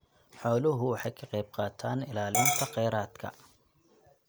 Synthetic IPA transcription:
ħɔːlʊɦʊwɑħɑjkʰɐqɑjb̚qɑːt̪ʰaːnɪlaːlɪnt̪ʰɐqɛjɾaːd̪kʰɐ̰

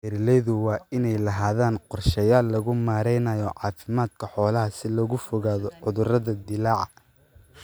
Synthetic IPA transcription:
ɛɾlɛjðʊwɑːɪnɛjlɐɦaːðaːnqɔrʃɛjaːlːɐɣʊmaːɾɛjnɐjɔʕɑːfɪmaːd̪kʰɐħɔːlɐɦɐsɪlɔɣʊfɔɣaːðɔʕʊðʊrɐðɐd̪ɪlaːʕɑ

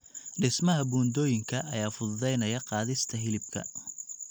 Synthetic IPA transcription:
ɖɪsmɐɦɐbuːnd̪ɔːjɪŋkʰɐʔɐjaːfʊðʊðɛjnɐjɐqɑːðɪst̪ʰɐɦɪlɪb̚kʰɐ̰

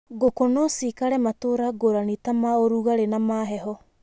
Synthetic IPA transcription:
ɡokonɔsikaɾɛmatoɾaɡoɾanitamaoɾuɣaɾenamaɦɛɦɔ

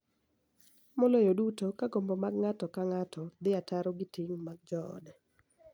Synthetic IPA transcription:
mɔlojodutokaɡɔmbɔmaɡŋatɔkaŋatɔd̪ɪataɾɔɡɪtiŋmaɡ̚d͡ʒɔɔ̰dɛ

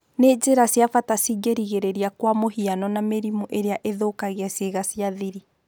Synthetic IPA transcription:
ned͡ʑeɾasjafatasiɡeɾiɣeɾeɾiakwamohianɔnameɾimuʔeɾeaʔeðoːkaɣeaseɣasiaðiɾi

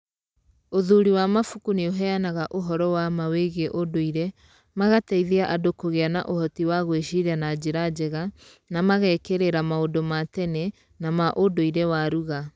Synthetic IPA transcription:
oðuɾiwamafukunioɦɛanaɣaʔoɦɔɾɔwamaweɣeʔodoiɾɛ | maɣatɛiðeaʔadokoɣeanaʔohɔtiwaɣweʃiɾanad͡ʑeɾad͡ʑɛɣa | namaɣɛkeɾeɾamaodomatɛnɛ | namaʔodoiɾɛwaɾuɣa

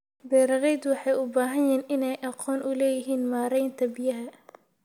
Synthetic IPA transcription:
bɛːɾɐɣɛjd̪wɑħɑjʊbaːɦɐjɛːnʔɪnɛjʔɑqɔːnʔʊlɛːjɪɦiːnmaːɾɛjnt̪ʰɐbɪjɐɦɐ

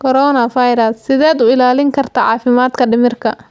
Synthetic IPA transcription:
kʰɔɾɔnɐfɐjɾɐsːɪðɛːd̪ʊɪlaːlɪŋkʰɐrt̪ʰɐʕɑ̰ːfɪmaːd̪kʰɐɖɪmɪrkʰɐ

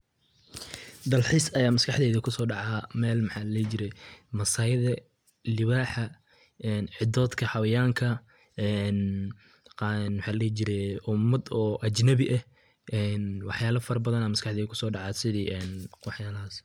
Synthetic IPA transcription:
d̪ɐlħisɐjaːmɐskɑħd̪ɛːðɐkʰʊsɔːɖɑʕɑːmɛːlmɑħaːllɛːt͡ʃɪɾɛjmɐsajɐðɐ | lɪβaːħɐ | ʔɛːnʕɪd̪ɔːd̪kʰɐhɑwɐjaːŋkʰɐ | ɛːn | nmħaːllɛːt͡ʃɪɾɛʊmːɐd̪ɔːʔɐt͡ʃnɐβɪʔɐh | ʔɛːnwɑħjaːlɐfɐɾɐbɐðɐnaːmɐskɑħd̪ɛːðɐkʰʊsɔːɖɑʕɑːsɪðiːʔɛːnwɑħjaːlɐɦaːs

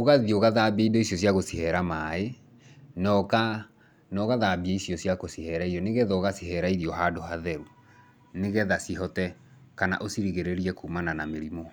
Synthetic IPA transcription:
oɣaðioɣaðabeidɔisjɔsjaɣosihɛɾamae | nɔka | nɔɣaðabaisjɔsjakosihɛɾaiɾɔneɣɛðɔɣasiɦɛɾaiɾiɔɦadohaðɛɾu | neɣɛðasiɦɔtɛ | kana̰ʔosiɾiɣeɾeɾiɛkuːmananameɾimɔ

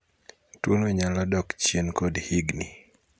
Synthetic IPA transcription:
tunwɛɲalɔdɔkt͡ʃjenkodhiɡni

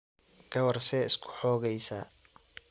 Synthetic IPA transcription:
ɡ̥ɐwɐrsɛɪskʰʊ̥ħɔːɣɛjsaː

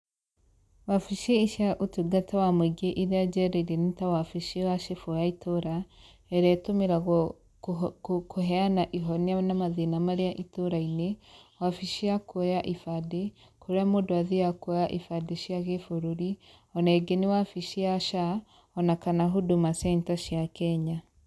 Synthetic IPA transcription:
wafiʃeiʃiaʔotuɡatawamweɡeʔiɾead͡ʒɛɾeiɾenitawafiʃewaʃefojaitʰoɾa | ɛɾɛtomeɾaɣ | kʰoɦɛanaʔiɦɔneanamaðenamaɾeaʔitoɾainewafiʃiakojaʔifade | koɾeamodoaðeakojaʔifadeʃiaɣefoɾoɾi | ɔnaɛɡeniwafiʃiaʃa | ɔnakanaɦodomasɛntaʃjakɛɲa

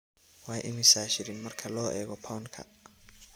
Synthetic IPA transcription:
wɑːjʔɪmɪsaːʃɪɾɪnmɐrkʰɐlɔːʔɛːɣɔpʰawnkʰɐ̰

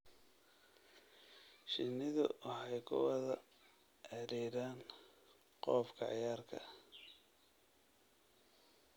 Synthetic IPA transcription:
ʃɪnːɪðʊʔɑħɑjkʰʊ̰wɐðɐ | ʔɛɾiːɾaːn | qɔːfkʰɐ̰ʕɪjaːrkʰɐ̰

